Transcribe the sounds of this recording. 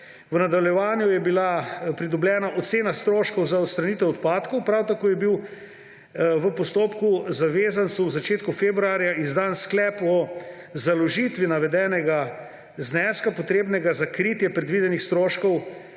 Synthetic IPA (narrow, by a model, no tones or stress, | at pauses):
ʋənad̪awljɛʋaːnjujɛbilapɾid̪ɔbljɛːnaʔɔt̪seːnast̪ɾoːʃkɔwzaɔt̪st̪ɾanit̪ɛɔt̪paːt̪kɔwpɾawt̪akoːjɛbiw | ʋəpɔst̪oːpkuzaʋeːzant̪suwzat͡ʃeːt̪kufeːbɾuaːɾjaizd̪ansklɛːpɔ | zalɔʒit̪ʋinaʋɛd̪ɛːnɛɡa | znɛːskapɔt̪ɾeːbnɛɡazakɾit̪jɛpɾɛd̪ʋid̪ɛnixst̪ɾoːʃkɔw